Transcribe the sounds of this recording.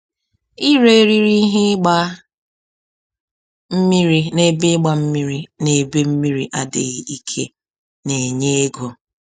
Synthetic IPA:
i˦ɾe˦ɾi˦ɾi˦ɦe˦ɡ͡ba˦ | m̩˦mi˦ɾi˦ne˨be˦ɡ͡ba˦m̩˦mi˦ɾi˦ne˨be˦m̩˦mi˦ɾi˨ʔa˦dḛ˨ɣi˨i˦kʰḛ˦ | ne˨ɲe˦e˦ɡo˨

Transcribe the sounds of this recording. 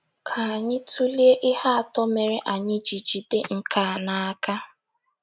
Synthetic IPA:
kʰa˨a˨ɲɪ˦tʰu˦li˦e˦ʔɪ˦ha˦a˨tɔ˦me˨ɾe˨ʔa˨ɲɪ˦d͡ʒi˨d͡ʒi˨de˦ŋ̩˨kʰa˨na˨a˦ka˦

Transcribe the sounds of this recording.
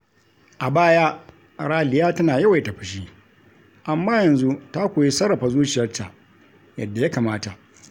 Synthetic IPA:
ʔa˨baː˦ja˦ | ɽaː˦lɪ˨jaː˦tɐ˦naː˨jɐ˦wa˨jta˨ɸɪ˨ʃ̬iː˦ | ʔa˨mːaː˦jɐ˨nzu˦ta˦kʷoː˨ji˦sɐ˦ɽːɐ˨ɸa˦zuː˦t͡ʃɪ˨jɐ˦rta̰˨ | jɐ̰˦˨dːa˨ja˦kaː˨maː˦ta˨ʔ

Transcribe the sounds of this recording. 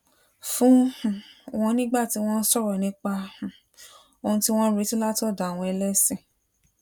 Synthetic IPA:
fũ˦˨ | w̃ɔ̃˧nĩ˦ɡ͡ba˦˨ti˨˧˦w̃ɔ̃˦n̩˦sɔ˦ɾɔ˨nĩ˨˦k͡pã˧˨ | o˧hũ˧ti˦w̃ɔ̃˦ɾi˨˦tĩ˦la˦tɔ˦˨da˨w̃ɔ̃˧ɛ˧lɛ˦sĩ˦˨

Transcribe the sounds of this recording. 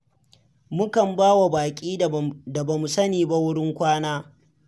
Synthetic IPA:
mʊ˦kɐ˨mbaː˦wa˨baː˨kʲʼiː˦da˨ba˨mu˨sɐ˦niː˨ba˦wʊ˦ɽɪ˦ŋkʷaː˦naː˦

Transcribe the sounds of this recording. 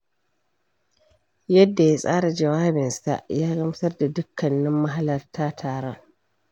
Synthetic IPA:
jɐ˦dːa˨ja˦sʼaː˦ɽa˨d͡ʒɐ˨waː˦bɪ˨nsa̰˨ʔjaː˦ɡɐ˦m˦sɐ˦rda˨dʊ˦kːɐ˨nːɪ˦mːɐ˦ɦa˦lɐ˨rtʰaː˦tʰaː˨ɽɔ˦ŋ

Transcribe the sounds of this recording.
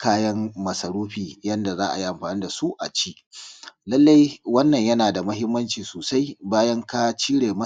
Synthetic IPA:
kaː˦jɐ˦mmɐ˨sɐ˨ɽuː˦ɸiː˨jɐ˦nda˨zaː˦ʔa̰˨ji˦ʔa˨mɸaː˨niː˦da˨su˦ʔa̰˨t͡ʃiː˦ | lɐ˦lːa˦jwɐ˦nːɐ˨ɲjɐ˦naː˨da˨mɐ˦ɦɪ˦mːɐ˦nt͡ʃiː˨soː˨sa˦jbaː˦jɐ˦ŋka˦t͡ʃiː˦ɽeː˨mɐ˦

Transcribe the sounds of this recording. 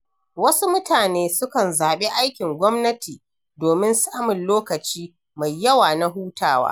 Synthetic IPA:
wɐ˦su˦mʊ˦taː˨neː˦sʊ˦kɐ˨nzaː˨ɓe˦ʔa˦jkʲɪ˨ŋɡʷɔ˦mnɐ˦tʰiː˨ | doː˨mɪ˦nsaː˦mʊ˨nloː˦kɐ˨t͡ʃiː˦ | ma˨jːɐ˦waː˨na˦ɦuː˦tʰaː˦wa̰ː˦

